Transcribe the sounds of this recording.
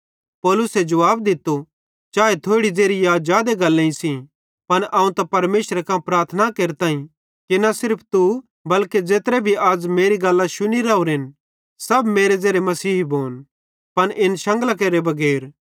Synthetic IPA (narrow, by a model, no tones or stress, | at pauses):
pɔːlʊsed͡ʒɐʋaːbd̪ɪt̪ːo | t͡ʃaːet̪ʰoːɽid͡zeːɾijad͡ʒaːd̪eɡɐlːẽĩsĩ | pɐnaːũt̪ɐpɐɾmeːʃəɾekãpɾaːɾt̪ʰənakeːɾt̪aːĩ | kinɐsɪɾpʰt̪u | bɐlked͡ʒeːt̪ɾebʱiaːd͡ʒmeːɾiɡɐlːãʃʊniɾɐːuɾɪn | sɐbmeːɾed͡zeːɾemɐsiːɦbʱoːn | pɐnʔɪnʃɐ̃ŋɡlak̬eːɾebɐɡɛːɾ